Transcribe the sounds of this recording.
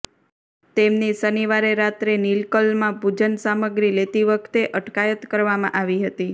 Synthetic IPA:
t̪emnisəniʋaɾeɾat̪ɾenilkəlmãbʱud͡ʒənsaməɡɾilet̪iʋəkʰt̪eʔəʈkajət̪kəɾʋamã̰ʔaʋiɦət̪i

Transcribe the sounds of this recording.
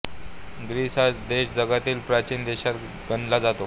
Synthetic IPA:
ɡɾisad̪eɕd͡zəɡat̪iːlpɾat͡ɕiːnd̪eɕat̪ | ɡənlad͡zat̪o

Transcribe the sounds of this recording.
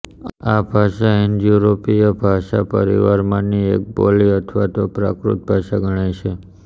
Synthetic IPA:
abʱaʃaind͡ʒjuɾopijəbʱaʃa̰pə̰ɾḭʋaɾmãniek̚boliət̪ʰʋat̪opɾa̰kɾṵt̪̚bʱaʃaɡʱəɽ̃ajt͡ʃʰe

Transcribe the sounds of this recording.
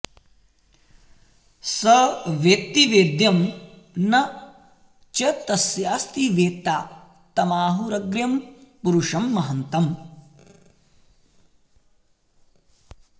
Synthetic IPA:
sɐʋjekt̪iʋeːd̪jɐm | nɐ | t͡ʃɐt̪ɐsjaːst̪iʋeːt̪aː | t̪ɐmaːɦuɾɐɡɾjɐmpuɾuʂɐmːɐɦɐnt̪ɐm

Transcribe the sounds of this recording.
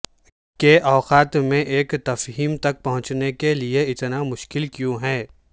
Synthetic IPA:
keʔɔːqaːt̪mẽʔeːkt̪ɐfɦiːmt̪ɐk̚pɐɦʊ̃t͡ʃnekelieɪt̪namʊʃkɪlkjũːɦɛː

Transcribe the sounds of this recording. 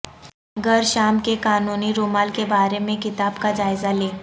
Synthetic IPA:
ɡəɾʃaːmkekaːnuːniɾoːmaːlkebaːɾemẽkɪt̪aːbkad͡ʒaːɪzaleː

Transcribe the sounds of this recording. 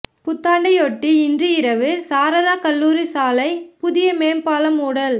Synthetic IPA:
pʊt̪ːaːɳɖɐɪɔʈːiɪndrɯɪɾɐʋɯsaːɾɐðaːkɐlːuːɾisaːlɐɪpʊðɪjɐmeːmpaːlɐmuːɽɐl

